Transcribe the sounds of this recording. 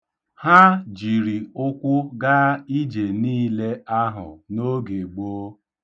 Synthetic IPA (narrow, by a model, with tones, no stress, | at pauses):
ha˦d͡ʒi˨ɾi˨ʊ˦kʷʊ˦ɡa˦i˦d͡ʒe˨niː˦le˦a˦ɦʊ̰˨no˦ɡe˨ɡ͡bo˦